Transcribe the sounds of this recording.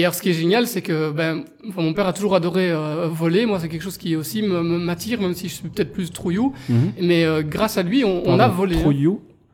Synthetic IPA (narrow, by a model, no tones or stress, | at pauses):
ealɔʁsə̥kʲiɛʒenjalsɛkəbɛ | ɑ̃fɛ̃mɔ̃pɛʁat̪uʒuʁad̪ɔʁeøvɔlemwas̬ɛkʲɛlkʃozkʲiɛosiməməmat̪iːʁmɛmsiʒəsɥipø̥t̪ɛt̪χplyst̪χujumɛøɡʁasalɥiɔ̃ːnavɔleju